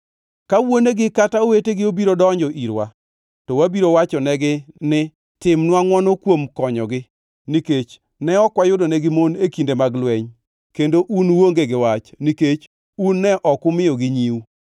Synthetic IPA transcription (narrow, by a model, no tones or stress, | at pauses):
kawoneɡɪkataoweteɡɪobiɾodɔɲd͡ʒɔʔiɾwa̰ | tɔwabiɾowat͡ʃɔnɛɡɪnɪ | tɪmnwaŋwɔnokwomkɔɲɔ̰ɡɪ | niket͡ʃ | nɛɔkwajʊdonɛɡɪmonekindemaɡlwɛɲ | kendoʔunwoŋɡeɡɪwat͡ʃniket͡ʃ | unːɛʔɔkʊmɪɔɡɪɲiwu